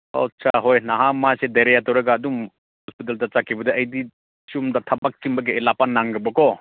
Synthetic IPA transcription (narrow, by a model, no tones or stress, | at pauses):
o̰t͡ʃaɦojnaɦamasedaɾejatawɾaɡaːdum | hɔspit̬altat͡ʃakʰːibɐdɐɐjdi | sumdatʰɐbak̚t͡ʃimbɐɡ̬eejlapanːaŋɡɯbɐkɔ